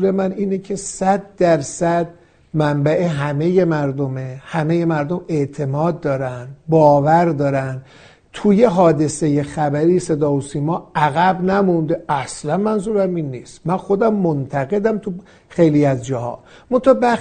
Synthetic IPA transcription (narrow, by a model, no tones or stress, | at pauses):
ɾe̞mæniːnecʰe̞sæd̪̚ːæɾsæd̪ | mæmbæʔeɦæme̞je̞mæɾd̪ome̞hæme̞je̞mæɾd̪ome̞ʔt̪ʰe̞mɒːd̪̚ːɒːɾænbɒːvæɾd̪ɒːɾænd̪ | t̪ʰuje̞ɦɒːd̪e̞se̞je̞xæbæɾiːse̞d̪ɒːhosiːmɒːæɣæbnæmund̪eʔæslænmænzuːɾæmiːnːiːst̪mænxod̪æmːont̪ʰæɣe̞d̪æmt̪ʰu | xe̞jliːæzd͡ʒɒːhɒ̰ː | mont̪ʰɒbæ